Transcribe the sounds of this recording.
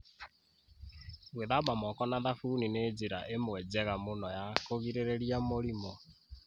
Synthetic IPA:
ɣweðamamɔkɔnaðafunined͡ziɾa̰ʔemwɛd͡zɛɣamonɔjakoɣiɾeɾɛɾiamoɾimɔ

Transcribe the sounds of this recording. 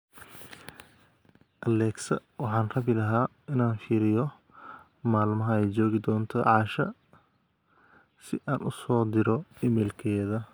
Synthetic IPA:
ʔɐlɛːɡsɐ̰wɑħɑːnrɐβɪlɐɦaː | ɪnaːnfiːɾɪjɔ | maːlmɐɦɐɛjt͡ʃɔːɣɪd̪ɔːnt̪ʰɔʕɑːʃɐ | sɪʔaːnʔʊsɔːd̪ɪɾɔɪmɛːlkʰɛːðɐ

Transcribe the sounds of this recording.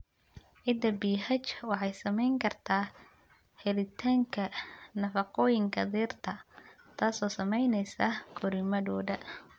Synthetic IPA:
ʕɪd̪ɐbiːɦɐt͡ʃwɑħɑjsɐmɛjŋkʰɐrt̪ʰaː | hɛlɪt̪ʰaːŋkʰɐnɐfɑqɔːjɪŋkʰɐ̰d̪iːrt̪ʰɐ | t̪ʰaːsɔːsɐmɛjnɛjsɐkʰɔɾɪmɐdɔːdɐ

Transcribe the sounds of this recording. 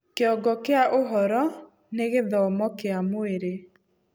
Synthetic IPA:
keɔɡɔkeaʔoɦɔɾɔ | neɣeðɔmɔkeamoeɾe

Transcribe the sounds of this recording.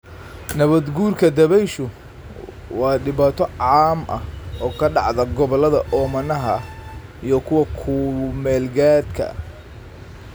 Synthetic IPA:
nɐβɐd̪ɡuːrkʰɐd̪ɐβɛjʃʊ | wɑːɖɪβaːt̪ʰɔʕɑːmʔɐhɔːkʰɐɖɑʕðɐɡɔβɔlɐðɐʔɔːmɐnɐɦɐ | ijɞkʰʊwɐkʰʊmɛːlɡaːd̪kʰɐ̰

